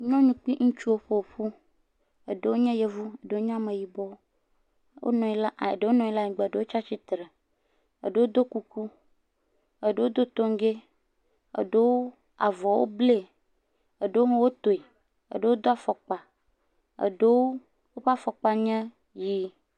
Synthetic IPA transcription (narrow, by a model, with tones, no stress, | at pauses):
ɲɔ̃˦ɲũ˨k͡pi˦ŋũ˦t͡ʃu˦wo˦ɸe˦˨o˨ɸu˦ | e˨ɖe˨wo˦ɲɛ̃˦je˨vu˦e˨ɖe˨wo˦ɲ˦ã˦mẽ˨ji˨bɔ˦ | wo̰˦nɔ̃˨i˦la˦˨e˨ɖe˨wo˦nɔ̃˨i˦la˦ɲĩ˨ɡ͡be˨ɖe˨˦wo˦t͡ʃa˦t͡ʃi˦t̪ɾe˨ | ḛ˨ɖe˨˦wo˦d̪o˦ku˨ku˦ | e˨ɖe˨wo˦d̪o˦t̪o˦ŋ˦ɡe˦ | ḛ˨ɖe˦wo˦ | a˨vɔ˨wo̰˦ble˦˨ | e˨ɖe˦wo˦ɦwo˦t̪o˨i˨ | ḛ˨ɖe˨˦wo˦d̪o˦a˨fɔ˨k͡pa˨ | ḛ˨ɖe˦wo˦ | wo˦ɸa˦fɔ˨k͡pa˦ɲɛ̃˦ | ji˦